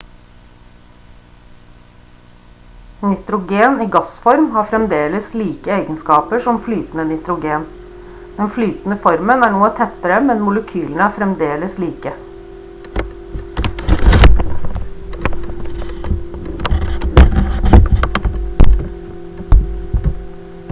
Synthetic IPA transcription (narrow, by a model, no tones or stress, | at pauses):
nɪt̪ɾʊɡeːniːɡɑsfɔɾmhɑːɾfɾɛmd̪eːləsliːkəeɪɡənskɑːpəʂɔmflyːt̪n̩ənɪt̪ɾʊɡeːn | d̪̥ɛnflyːt̪n̩əfɔɾmənæːɳoːət̪ʰɛt̪əɾəmɛnmʊləkʰyːln̩əæːɾfɾɛmd̪eːləsliːkə